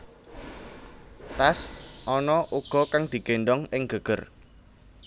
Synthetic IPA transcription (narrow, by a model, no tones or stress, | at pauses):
t̪asʔɔnɔʔuɡ̥ɔ̤kaŋd̪̥i̤ɡ̥eɳɖɔŋɪŋɡ̥ə̤ɡ̥ə̤r